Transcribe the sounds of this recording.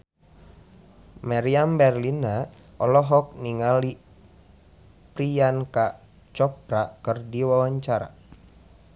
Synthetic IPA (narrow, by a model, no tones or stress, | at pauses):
maɾiambɛrlina | ʔɔlɔɦɔk̚niŋali | pɾianka | t͡ʃɔp̚ɾakɨrdiwawaɲt͡ʃaɾa̰